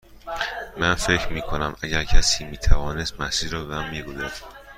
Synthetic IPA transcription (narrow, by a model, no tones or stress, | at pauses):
mænfe̞cʰɾmiːkʰonæmæɟæɾcʰæsiːmiːt̪ʰævɒːne̞st̪mæsiːɾɒːbeæmːiːɡozɒɾ